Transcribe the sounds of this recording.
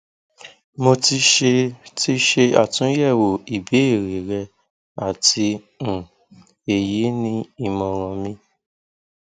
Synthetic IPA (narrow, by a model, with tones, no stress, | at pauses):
mo˧ti˧ʃe˧ti˦ʃe˧a̰˦˨tũ˨˦jɛ˦˨wo˨i˨bi˨˦e˦˨ɾe˨ɾɛ˧ | a˦˨tĩ˧˨ | e˨je˨˦nĩ˦i˦˨mɔ̃˧ɾ̃ɔ̃˧mĩ˧